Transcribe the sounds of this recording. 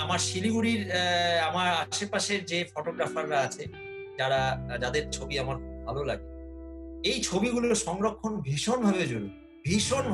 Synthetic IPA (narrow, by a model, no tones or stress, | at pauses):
amaɾʃiliɡuɾiɾamaɾaʃepaʃeɾd͡ʑefɔʈoɡɾafaɾːaat͡ɕʰe | d͡ʑaɾad͡ʑad̪eɾt͡ɕʰobiamaɾkʰubbʱalolaɡe | ejt͡ɕʰobiɡuloʃɔŋɾokʰːonbʱiʃonbʱabed͡ʑuɾu | bʱiʃonbʱ